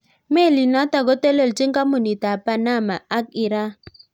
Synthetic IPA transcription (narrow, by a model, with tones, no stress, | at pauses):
me˦˨li˨na˦ta˨ɡɔ˦tɛ˦le˦˨lt͡ʃi˦ŋka˦mu˨ni˨ta˨pa˨na˦˨ma˨a˦k̚i˨ɾa˦